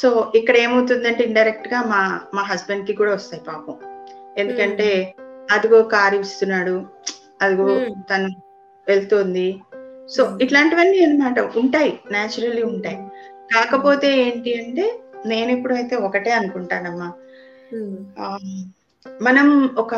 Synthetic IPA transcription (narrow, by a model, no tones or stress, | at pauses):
so̞ːikːɐɽɐe̞ːmɐwt̪und̪ɐɳʈeiɳɖɐjɾek̚ʈɡaːmaːmaːɦɐsbeɳɖ̚kikuːɽaːʋɐst̪aːjipaːpɐme̞nd̪ukɐɳʈe̞ːɐd̪uɡoːkaːɾiist̪unːaːɽu | ɐd̪iɡot̪ɐnu | ʋe̞lt̪oːnd̪iso̞ːiʈlaːɳʈiʋɐnːiɐnɐmaːʈɐuɳʈaːjinaːt͡ʃuɾɐlːiuɳʈaːjikaːkɐpo̞ːt̪e̞ːeːɳʈiɐɳʈe̞ːne̞ːnepːuɽuɐjt̪e̞ːɔkɐʈe̞ːɐnukuɳʈaːnɐmːaː | mɐnɐmɔkɐ